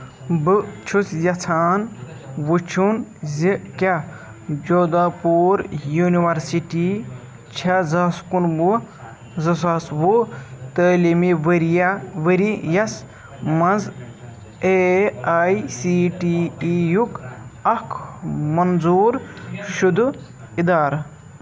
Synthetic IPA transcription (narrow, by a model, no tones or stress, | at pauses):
bɨt͡ʃʰusjɐt͡sʰaːn | wut͡ʃʰunzikʲa | d͡ʒoːd̪apuːɾjuniwɐɾsiʈi | t͡ʃʰazaskunbu | zɐs̬aːsbut̪əːlimiʋɐɾijaʋəɾijɐs | mɐz | eaːisiʈijukɐkʰmɐnzuːɾʃud̪u | id̪aːɾɐ